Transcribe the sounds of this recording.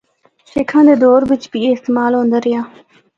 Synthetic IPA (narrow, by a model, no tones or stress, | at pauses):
ʃeːkʰãːnd̪eːd̪oːɾbɪt͡ʃpiːeːɪst̪eːmaːlɦõːnd̪əɾjãː